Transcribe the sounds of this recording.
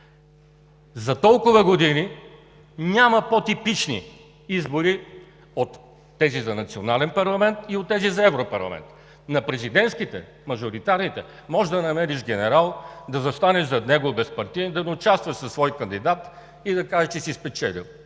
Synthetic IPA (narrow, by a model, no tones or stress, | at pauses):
zɐt̪ɔlˠkʊvəɡod̪ini | nʲamɐpot̪ipit͡ʃnḭ | izboɾi | ot̪ː | ɛzizɐnɐt̪sionalɛnpɐɾlˠɐmɛnt̪iot̪ːɛzizɐɛvɾopɐ̰ɾlˠɐ̰mɛ̰nt̪ | nɐpɾɛzid̪ɛnt̪skit̪ɛ̰ | mɐʒoɾit̪aɾnit̪ɛ | mɔʒd̪ɐnɐmɛɾiʃɡɛnɛɾalˠd̪ɐzɐst̪anɛʃzɐd̪nɛɡobɛspɐɾt̪iɛnd̪ɐnɛʊt͡ʃast̪vɐʃsɐsvɔjkɐnd̪id̪at̪ | id̪ɐkaʒɛt͡ʃɛsispɛt͡ʃɛlḭlˠ